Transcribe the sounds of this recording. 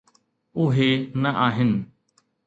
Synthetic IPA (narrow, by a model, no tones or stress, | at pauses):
ʊɦeːnəʔaːɦɪnɪ